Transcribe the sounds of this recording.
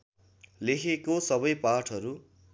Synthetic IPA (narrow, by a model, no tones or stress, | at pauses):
lekʰekosʌbʌjpaʈʰʌɾu